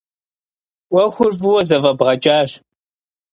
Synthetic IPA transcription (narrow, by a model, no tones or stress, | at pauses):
ʔʷɔxʷʊrvɨwɔzɐvɐbʁɐt͡ʃʼaːɕ